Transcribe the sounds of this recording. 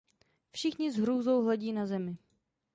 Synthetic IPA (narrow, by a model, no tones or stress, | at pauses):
fʃɪxɲɪzɦɾuːzowɦlɛɟiːnazɛmɪ